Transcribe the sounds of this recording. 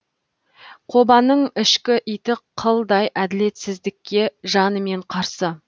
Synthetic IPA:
qʰo̞bɑnəɴɪʃkʲɪʔijt̪ɪqʰəlˠd̪ɑjʔæd̪ɪle̞t̪sɪzd̪ɪkʲːe̞ʒɑnəme̞ɴqʰɑɾsə

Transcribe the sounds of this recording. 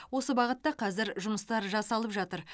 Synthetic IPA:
wo̞səbɑʁət̪ːɑqʰɑzɪɾʒʊməst̪ɑɾʒɑsɑlˠəpʒɑt̪əɾ

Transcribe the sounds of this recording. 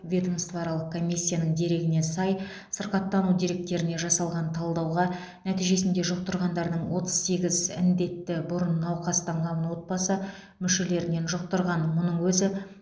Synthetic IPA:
vʲed̪omst̪vɑɾɑlˠəq̚kʰo̞mʲijsʲːijanəɴd̪e̞ɾe̞ɡʲɪne̞sɑj | səɾqɑt̪ːɑnud̪e̞ɾe̞k̚t̪e̞ɾɪne̞ʒɑsɑlˠʁɑnt̪ʰɑlˠd̪ɑwʁɑ | næt̪ijʒe̞sɪnd̪e̞ʒʊq̚t̪əɾʁɑnd̪ɑɾd̪əɴwo̞t̪ə̥z̥se̞ɡʲɪzɪ̰nd̪e̞t̪ːɪbʊɾənːɑwqɑst̪ʰɑɴʁɑmənwo̞t̪̚bɑsə | mʏʃe̞le̞ɾɪne̞nʒʊq̚t̪əɾʁɑnmʊnəɴwɵzɪ

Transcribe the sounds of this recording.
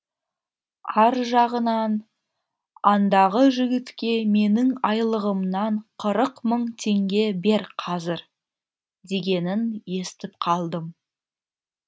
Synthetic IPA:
ɑɾʒɑʁənɑn | ɑnd̪ɑʁəʒɪɡʲɪt̪kʲe̞me̞nɪŋɑjlˠəʁəmnɑɴqʰəɾəqməɴt̪ʰe̞ŋɡʲe̞be̞ɾqʰɑzɪɾ | d̪e̞ɡʲe̞nɪnje̞st̪ɪp̚qʰɑlˠd̪əm

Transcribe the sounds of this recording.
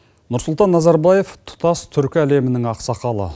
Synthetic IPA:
nʊɾsʊlˠt̪ɑnːɑzɑɾbɑje̞ft̪ʰʊ̥t̪ɑst̪ʰʏɾkʲɪæle̞mɪnɪŋɑqsɑqɑlˠə̰

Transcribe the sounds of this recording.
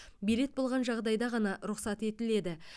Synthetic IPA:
bile̞t̪̚bo̞lˠʁɑnʒɑʁd̪ɑjd̪ɑʁɑnɑɾʊqsɑt̪e̞t̪ɪle̞d̪ɪ

